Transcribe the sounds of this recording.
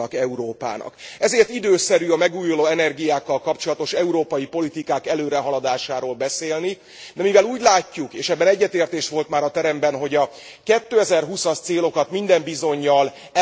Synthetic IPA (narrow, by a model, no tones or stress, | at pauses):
ɒkɛuɾoːpa̰ːnɒ̰kɛzeːrt̪id̪øːsɛɾyɒmɛɡuːjuloːɛnɛrɡijaːkːɒlkɒp̚t͡ʃo̞lɒt̪o̞ʃɛuɾoːpɒjipo̞lit̪ikaːkɛløːɾɛɦɒlɒd̪aːʃaːɾoːlbɛseːlni | d̪ɛmivɛluːɟlaːcːukeːʃɛbːɛnɛɟːɛt̪eːrt̪eːʃʋo̞lt̪maːɾɒt̪ɛɾɛmbɛnɦo̞ɟɒ | kɛt̪ːøːɛzɛrɦusɒʃt̪seːlo̞kɒt̪mind̪ɛmbizo̞ɲːɒl